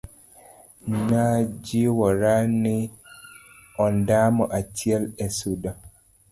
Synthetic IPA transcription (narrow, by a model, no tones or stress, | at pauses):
nad͡ʒiwɔɾani | ɔndamɔʔat͡ʃiɛlɛsuda